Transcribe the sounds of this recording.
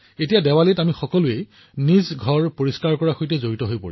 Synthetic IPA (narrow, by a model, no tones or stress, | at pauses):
etijadɛwalitamixɔkɔlʊe | nizɡʱɔɹpoɹiskaɹkɔɹaxojtɛzoɹitɔɦojpo̰ɹi